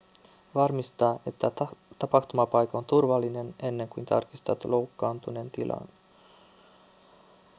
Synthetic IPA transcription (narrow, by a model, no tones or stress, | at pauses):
ʋɑrmist̪ɑːʔe̞t̪ːæt̪ɑpɑxt̪umɑpɑjkɑont̪urʋɑlːine̞ne̞nːe̞ŋkujnt̪ʰɑ̰rkist̪ɑt̪lo̞wkːɑːnt̪une̞nt̪ilʔɑ̰n